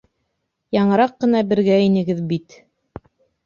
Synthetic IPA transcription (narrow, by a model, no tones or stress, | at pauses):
jɑɴɤ̆ɾɑqːɤ̆nɑbɘ̆ɾɡæinɘ̆ɡɘðbit̪